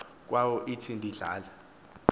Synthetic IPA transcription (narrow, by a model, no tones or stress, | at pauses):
k̬wawɔʔitʰindʱiɮa̰ːla